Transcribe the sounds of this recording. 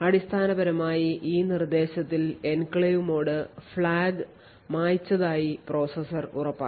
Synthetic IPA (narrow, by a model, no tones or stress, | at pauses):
ɐɽist̪ʰaːnɐbɐɾɐmaːjiʔiːnird̪e̞ːɕɐt̪ːile̞nkɭejumo̞ːɽɨfɭaːɡɨ | maːjt͡ɕːɐðaːjipro̞ːsɐsɐrurɐpːa̰ː